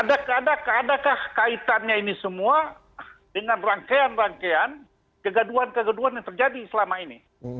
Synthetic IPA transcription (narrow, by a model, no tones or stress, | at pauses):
adakadakadakahkait̪anɲainisəmua | dəŋanraŋkeanraŋkean | kəɡaduɦankəɡəduanɲat̪ərd͡ʒadisəlamaini